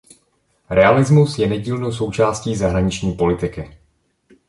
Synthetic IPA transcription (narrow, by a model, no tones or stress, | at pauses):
ɾɛalɪzmusjɛnɛɟiːlnows̬o̞wt͡ʃaːsciːzaɦɾaɲɪt͡ʃɲiːpo̞lɪt̪ɪkɪ